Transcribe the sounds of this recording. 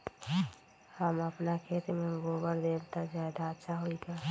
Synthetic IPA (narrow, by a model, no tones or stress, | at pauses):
həməpnakʰeːt̪emẽʋoːbəɾd̪eːbt̪azad̪aətːʃʰaɦoiɡaː